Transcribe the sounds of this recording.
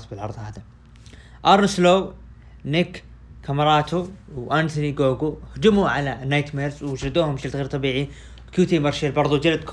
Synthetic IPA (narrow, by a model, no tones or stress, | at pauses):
sbɪlʕɑ̰ɾˤðˤhaːða | ʔɑɾˤsloː | nɪk | kːamɑɾˤɑːt̪uwʔant̪ʊniɡoːɡuhd͡ʒɪmuʕalanːajt̪meːlzwɪʃɾɪd̪uːhʊmʃɪlt̪ɣeːɾt̪ˤɑbiːʕi | wkjuːt̪imɑɾˤʃelbɑɾˤðˤuwd͡ʒalad̪k